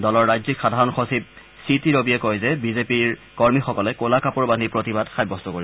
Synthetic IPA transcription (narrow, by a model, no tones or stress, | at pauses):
dɔlɔɹːajzikxadʱaɹɔnxosib̚ | sitiɹobiɛkojzɛbizepiɹkɔɹmixɔkɔlɛkolakapuɹbanipɹotibadxajbːɔst̪ɔkoɹiɔ